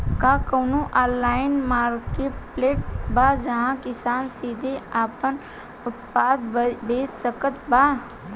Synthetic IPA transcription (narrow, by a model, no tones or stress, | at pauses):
kaːkəːnoʔaːlːaːɪnmaːɾkeːʈpleːʈ̚baːd͡ʒɐɦãkɪsaːnsiːd̪ʱeaːpən | ʊt̪paːd̪beːd͡ʒsəkət̪baː